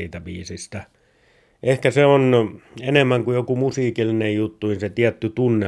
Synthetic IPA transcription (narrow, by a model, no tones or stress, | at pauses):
iːt̪æʋiːsist̪æ | ʔehkæseonenemːæŋkujokumusiːkilːinejjut̪ːuninset̪iæt̪ːyt̪unːe